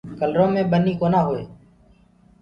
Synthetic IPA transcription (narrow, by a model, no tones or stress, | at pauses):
kəlɾõːmẽːɓəniːkoːnaːɦoːḛː